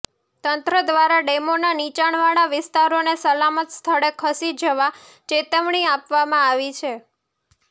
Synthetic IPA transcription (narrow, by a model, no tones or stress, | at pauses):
t̪ənt̪ɾəd̪ʋaɾaɖemonanit͡ʃaɳ̃ʋaɽ̃aʋɪst̪aɾonesəlamət̪st̪ʰəɭekʰəsid̪d͡ʒəʋa | t͡ʃet̪əʋɳ̃iapʋamãaʋit͡ʃʰe